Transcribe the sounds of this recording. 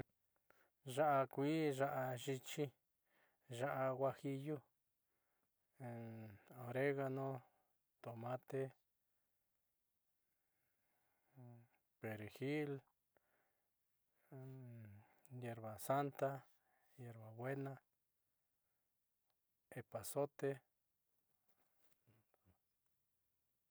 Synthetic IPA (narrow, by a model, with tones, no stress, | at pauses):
ʒa˦ʔa˧kʷi˦ʒa˧ʔa˧ʒi˧t͡ʃi˦ | ʒa˦ʔa˧ɣʷwa˧hi˧ju˦˧ | o˨ɾe˦ɣa˧nõ˦ | t̪o˨mã˦t̪e˦ | pe˨ɾexil | jeɾβasant̪a | jeɾβabwe˦na | epaso˦t̪e